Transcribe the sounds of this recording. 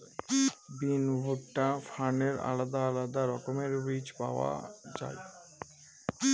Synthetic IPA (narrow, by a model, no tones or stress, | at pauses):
binbʱuʈafʰaneɾa̰lad̪aalad̪aɾɔkomeɾbɾid͡ʑpa̰oa̰d͡ʑa̰j